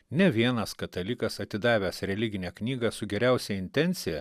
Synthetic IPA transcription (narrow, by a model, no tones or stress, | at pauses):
nʲɛʋʲiɛnɐskɐt̪ɐlʲɪkɐsɐt̪ʲɪd̪ɑːʋʲæːsɾʲɛlʲɪɡʲɪnʲɛːknʲiːɡɐsʊɡʲɛɾʲæˑʊsʲɛɪnʲt̪ʲɛnʲt̪sʲɪjɛ